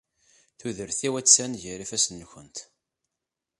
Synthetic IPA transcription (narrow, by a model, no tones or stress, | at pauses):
θuðəɾθiwæt͡sːænʝəɾifæsənːçənt̪